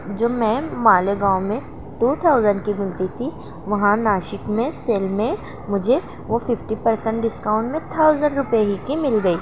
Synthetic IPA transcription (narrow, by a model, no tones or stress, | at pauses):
d͡ʒoːmɛ̃ːmaːleɡãːʊmẽ | ʈuːt̪ʰaːʊzəɳkimɪlt̪it̪ʰi | ʋɐɦãnaːʃɪkmẽseːlmẽ | mʊd͡ʒʱe | ʋofɪfʈipɐɾsə̃ɳʈ̚ɖɪskãːʊ̃ɳʈmẽt̪ʰaːʊzəɳɖɾʊpjeɦikimɪlɡɐiː